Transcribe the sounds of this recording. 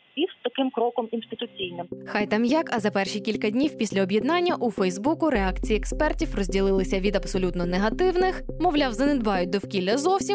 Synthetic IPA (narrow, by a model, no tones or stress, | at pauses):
ist̪ɐkɪmkɾɔkɔminst̪ɪt̪ʊt͡sʲijnɪmxɑjt̪ɑmjakɐzɐpɛrʃikʲilʲkɐdʲnʲiwpʲisʲlʲɐɔbʲjɛd̪nɑnʲːɐʔufɛjzbukʊɾeɑkt͡sʲijiɛkspɛrtʲiwrɔzʲdʲilˠɪlˠɪsʲɐʋʲid̪ɐbsɔlʲut̪nɔneɦɐt̪ɪwnɪxmɔʋlʲawzɐned̪bɑjʊt̚ʲd̪ɔwkʲilʲːɐzɔwsʲim